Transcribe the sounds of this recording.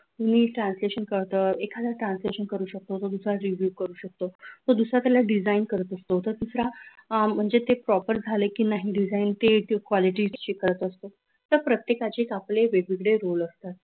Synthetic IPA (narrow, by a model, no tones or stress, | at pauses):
t̪uniːʈɾansleɕənkəɽt̪əːekʰad͡z̪aʈɾãnsleɕənkəɾuːɕək̚t̪ot̪od̪usɾaɾiʋjuːkəɾuːɕək̚t̪ot̪od̪usɾat̪jalaɖid͡zainkəɾət̪əst̪ot̪əɾd̪usɾam̤əɳd͡zet̪epɾɔpəɾd͡zʱalekiːnaɦiːɖid͡zaint̪ekʋɔliʈit͡ɕekəɾət̪əst̪o | t̪əɾpɾət̪jekat͡ɕeːkapleʋeɡʋiɡɽeɾoləst̪at̪̚